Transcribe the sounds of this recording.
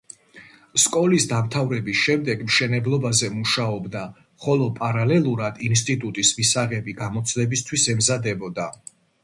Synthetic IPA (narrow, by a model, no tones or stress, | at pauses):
skʼɔlisd̪amt̪ʰavɾɛbisʃɛmd̪ɛɡmʃɛnɛblˠɔbazɛmuʃaɔbd̪a | χɔlˠɔpʼaɾalɛlˠuɾad̪inst̪ʼit̪ʼut̪ʼismisaʁɛbiɡamɔt̪sʰlɛbist̪ʰwisɛmzad̪ɛbɔd̪a